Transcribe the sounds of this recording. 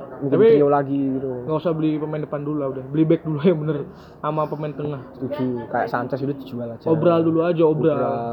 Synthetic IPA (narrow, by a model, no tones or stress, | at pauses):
mukapiialaɡiɡit̪uŋɡausabəlipəmɛndəpanduluaudɛhbəlibɛk̚dulujabənər | amapəmɛnt̪əŋahst̪ud͡ʒukaja̰ʔsaɲt͡ʃasilut̪id͡ʒualad͡ʒaobɾalduluad͡ʒaobɾal